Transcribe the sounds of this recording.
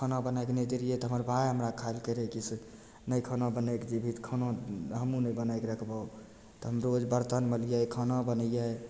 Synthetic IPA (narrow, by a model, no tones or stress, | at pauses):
kʰənabənajkned͡ʒəɾijɛt̪ɔɦəməɾbʱajɦəmɾakʰaelkəɾɛkise | nəjkʰənabənekd͡ʒibʱit̪kʰənaɦəmũnebənajkɾəkʰba | t̪ɔɦəmɾod͡ʒbəɾt̪ənməlijakʰənabənəjaj